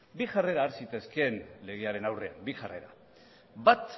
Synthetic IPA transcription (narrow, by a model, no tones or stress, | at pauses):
biʝare̞ɾaːɾsit̪eske̞nle̞ɣ̞eaɾe̞nawre̞a̰mbiʝare̞̰ɾa̰ | bat̪